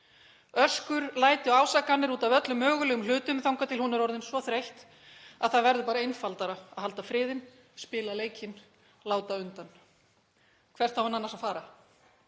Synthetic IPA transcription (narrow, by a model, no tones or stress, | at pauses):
œ̥skʏɾlaːjt̪ɪawaːwsakhanːɪɾuːt̪avœt̪lʏmːœːɣʏlɛɣʏmlʏːt̪ʏmθawŋkat̪ʰɪlhunʏɾɔɾðɪnsvɔθɾejht̪ | aðθaðvɛɾðʏpaːɾaejnfalt̪aɾaaðɦal̪t̪afɾɪːðɪn | spɪːlaleːjcɪn | laːwt̪aʏnt̪an | kʰvɛr̥t̪θavaɾnanːasaðfaːɾa